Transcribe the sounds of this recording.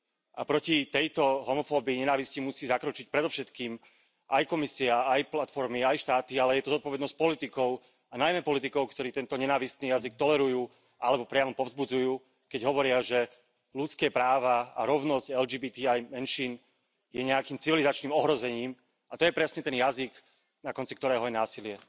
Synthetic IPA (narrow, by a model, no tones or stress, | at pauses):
ʔapɾɔcit̪ɛjt̪ɔɦɔmɔfɔːbiːɲɛnaːʋiscimusiːzakɾɔt͡ʃic̚pɾɛd̪ɔfʃɛt̪kiːm | ʔa̰jkɔmisiaajplat̪fɔɾmiajʃt̪aːt̪ialɛjɛt̪ɔzɔt̪̚pɔʋɛd̪nɔsc̚ʲpɔlit̪ikɔʊ | anajmɛpɔlit̪ikɔʊkt̪ɔɾiːt̪ɛnt̪ɔɲɛnaːʋist̪niːjazik̚t̪ɔlɛɾujuː | ʔalɛbɔpɾɪamɔpɔvzbud͡zujuː | kɛɟɦɔʋɔɾɪaʒɛ | lut̪t͡skɛːpɾaːʋaa̰ɾɔʊnɔscɛld͡ʒiːbiːt̪iajmɛnʃiːn | jɛɲɛakiːmt͡siʋilizat͡ʃniːmɔɦɾɔzɛɲiːm | at̪ɔjɛpɾɛsɲɛt̪ɛnjaziɡ | nakɔnt͡sikt̪ɔɾɛːɦɔjɛnaːsilɪɛ